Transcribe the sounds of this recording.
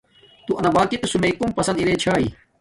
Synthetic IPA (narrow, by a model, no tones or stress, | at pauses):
t̪uʔɐnɐbaːkit̪esumeikumpɐsɐnd̪iɾet͡ɕʰaːḭ